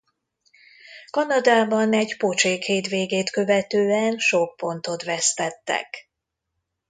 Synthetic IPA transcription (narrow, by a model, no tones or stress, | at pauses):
kɒnɒd̪aːbɒnɛɟpot͡ʃeːkheːt̪veːɡeːt̪kø̞vɛt̪øːɛnʃokpːo̞nt̪o̞t̪vɛst̪ɛt̪ːɛ̰k